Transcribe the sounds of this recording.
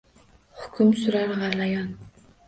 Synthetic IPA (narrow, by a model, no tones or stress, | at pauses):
χʊ̥kʰʲʊmsʊɾaɾʁɑlɑjɑn